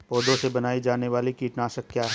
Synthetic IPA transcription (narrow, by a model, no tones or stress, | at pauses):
pɔːd̪õsebɐnaːid͡ʒaːneʋaːlikiːʈnaːʃəkkːjaːɦɛː